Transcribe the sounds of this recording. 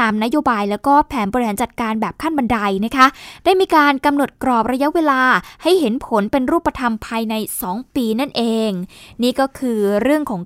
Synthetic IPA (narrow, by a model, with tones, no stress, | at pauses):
aː˧mna˦˥joː˧baː˧jlɛː˦˥wkɔː˥˩pʰɛː˩˦nbɔː˧ɾi˧haː˩˦t͡ɕa˨˩t̪̚kaː˧nbɛː˨˩p̚kʰa˥˩nba˧nda˧jna˦˥kʰa˦˥daː˥˩jmiː˧kaː˧nka˧mno˨˩t̪̚kɾɔː˨˩p̚ɾa˧ja˦˥weː˧laː˧ha˥˩jɦe˩˦npʰo˩˦npe˧nɾuː˥˩pːɾa˧t̪ʰa˧mpʰaː˧jna˧jsɔː˩˦ŋpiː˧na˥˩nʔeː˧ŋniː˥˩kɔː˥˩kʰɯː˧ɾɯ˥˩əŋkʰɔː˩˦